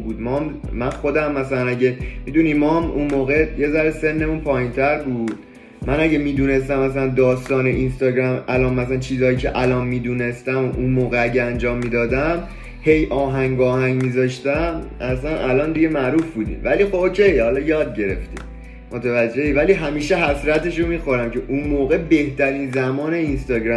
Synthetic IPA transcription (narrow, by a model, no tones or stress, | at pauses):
buːd̪mɒmmænxo̞d̪æmːæsælænæɟemid̪unimɒmʔṵnmoːɣe̞je̞zæɾese̞nːe̞munpʰɒːjint̪ʰæɾbuːd̪̥̚ | mænæɟe̞miːd̪uːne̞s̬t̪æmːæsælænd̪ɒːst̪ɒːneʔinst̪ɒːɟɾæmʔælɒːnmæslænt͡ʃʰiːzɒːjiːcʰḛʔælɒnmiːd̪uːne̞st̪æmʔunmoːɣeæɟeænd͡ʒɒːmːiːd̪ɒːd̪æm | he̞jʔɒːɦæŋɡɒːhæŋɟmizɒːʃt̪æmʔæsænʔælɒːnd̪iɟe̞mæɾuːfbuːd̪ḭːmvæliːxoocʰe̞jhɒlɒjɒːd̪̚ɟe̞ɾḛft̪ḭ | mot̪ʰevæd͡ʒːe̞iːvæliɦæmiːʃeɦæsɾæt̪e̞ʃ̬omiːxo̞ɾæmcʰeʔunmoːɣe̞be̞ht̪æɾiːnzæmɒːneinst̪ɒːɟɾæ